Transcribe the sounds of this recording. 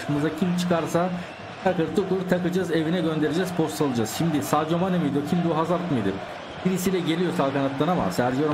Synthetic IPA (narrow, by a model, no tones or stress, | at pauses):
ɯmɯzacʰimt͡ʃʰɯ̥kaɾsa | aɾkɯɾt̪ʰukuɾt̪ʰakɯd͡ʒaze̞vinɛɟø̞nd̪e̞ɾed͡ʒɛzpʰo̞st̪alˠɯd͡ʒazʃimd̪isaːd͡ʒomanemijd̪ocʰimd̪uɦazaɾt̪mɯjd̪ɯ̰ɾ | biɾisilʲɛɟe̞lʲijoɾsalˠkanat̪ːanama̰sæɾd͡ʒoɾ